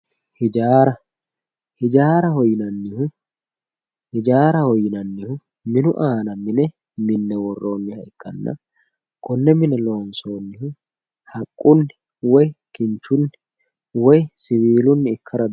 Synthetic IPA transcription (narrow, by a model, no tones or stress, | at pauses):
hɪd͡ʒaːɾɐ | hɪd͡ʒaːɾɐhɔjːɪnɐnːɪhʊ | hɪd͡ʒaːɾɐhɔjɪnɐnːɪhʊ | mɪnʊʔaːnɐmɪnɛ | mɪnːɛwɔrːo̞ːnːɪhɐɪkːɐnːɐ̰ | kɔnːɛmɪnɛlo̞ːnso̞ːnːɪhʊ | hɐkʼːʊnːɪ | wɔjkɪnt͡ʃːʊnːɪ | wɔjsɪwiːlʊnːɪɪkʰːɐɾɐ